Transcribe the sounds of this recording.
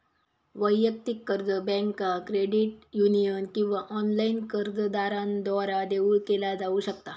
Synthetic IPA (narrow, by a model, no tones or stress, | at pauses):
ʋəjːək̚t̪ikːəɾd͡zəbɛ̃ŋkakɾeɖiʈjunijənkĩw̃ʋaʔɔnlainkəɾd͡zəd̪aɾãnd̪ʋaɾad̪eʋuɭkelad͡zauɕəkt̪a